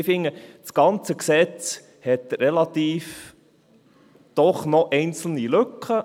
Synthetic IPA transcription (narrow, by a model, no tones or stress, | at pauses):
fɪŋːəsɡ̥ɑnt͡səksɛt͡s | hɛt̪ɾɛlɑt̪iːf | d̪̥ɔχnɔʔɛɪnt͡sl̩nilɵkχə